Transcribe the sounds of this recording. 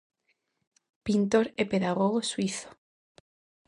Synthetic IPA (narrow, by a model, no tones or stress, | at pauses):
pint̪oɾepeðaɣoɣ̞oswiθo̥